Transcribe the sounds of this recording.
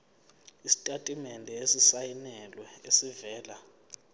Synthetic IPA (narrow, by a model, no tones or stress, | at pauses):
isi̥tʼatʼimɛndʱɛesisajinɛlwɛesivɛːla